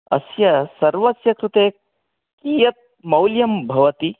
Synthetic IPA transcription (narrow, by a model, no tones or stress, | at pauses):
ɐ̰sjɐsɐɾʋɐsjɐkɾut̪eːk | kiːjɐt̪̚ | mɐwljɐmbʱɐʋɐt̪i